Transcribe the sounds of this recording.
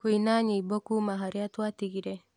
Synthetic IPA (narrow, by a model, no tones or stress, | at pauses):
kuinaɲiibokumaɦaɾeat̪uat̪iɡiɾe